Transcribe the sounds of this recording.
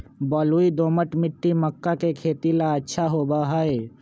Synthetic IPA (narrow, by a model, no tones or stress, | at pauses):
bɔːluid̪oːməʈmɪʈːiməkːakekʰeːt̪ilaətːʃʰaɦoːbaɦəe